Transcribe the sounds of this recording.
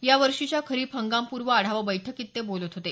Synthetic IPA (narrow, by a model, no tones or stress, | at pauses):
jaʋəɾʂit͡ɕjakʰəɾiːpʰəŋɡampuɾʋəaɽ̤aʋəbəjʈʰəkit̪ːebolət̪ɦot̪e